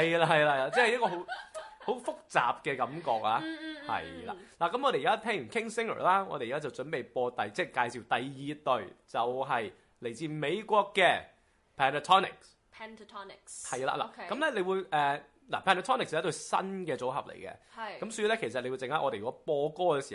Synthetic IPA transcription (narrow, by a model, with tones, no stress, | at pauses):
hɐ˨jla˧hɐ˨jla˧˨laː˧t͡sɛː˥hjɐ˥kɔː˧ɦo˨˥who˨˥wfʊ˥k̚t͡sa̰ː˨p̚kɛ˧kɐ˨˥mkɔ̰ː˧k̚laː˧hɐ̰˨jla̰ː˨la˨˩kɐ˨˥mʔɔː˨˧ɾe˨ji˨kaː˥t̪ʰɛː˥ŋɥy˨˩kʰɪ˥ŋsɪ˥ŋə̰ː˨˩laː˥ŋɔ̰ː˨˧ɾe˨jka˥t͡sɐ˨˩wt͡ʃɵ˨˥npe˨jpɔː˧t̪ɐ˨jt͡sɛː˥˩kaː˧jsi˨˩wt̪ɐ˨jːiː˨˧t̪ɵ˨ɥt͡sɐ˨wɦɐ˨j | le˨˩jt͡siː˧me˨˧jkʷɔː˧kːɛː˧ | pʰɛː˨na˧t̪ʰɔ˥nɪ̰˨˩k̚s | pʰtʰnkhɐ˨jla̰ː˧la̰˨˩kɐ˨˥mlɛ˥le˨˧jwuː˨˧jʔɛː˨˩ | la̰˨˩pʰɛː˧nt̪ːt̪ʰɔː˥nɪ˨kshjt̪ɵ˧sɐ̰˥nkɛː˧t͡so˨˥wɦɐ̰˨p̚lḛ˨˩jkɛ̰˧kɐ˨˥msɵ˧˥ji˧lɛ˥kʰe˨˩jsɐ˨t̚le˧wu˧jt͡sɪ˨ŋhɐ˦˥ʔɔː˧e˨jy˨˩kɔ˦˥pɔː˧kɔː˥kɛ˧si̥ː˨˩